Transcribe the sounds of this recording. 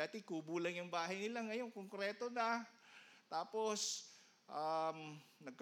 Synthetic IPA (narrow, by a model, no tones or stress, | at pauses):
aːt̪ɪkubuːlɐŋjʊŋbaːɦɐjnɪlaŋɐjoŋkoŋkɾɛːt̪onɐ | t̪aːpos | ʔamnɐɡ̚k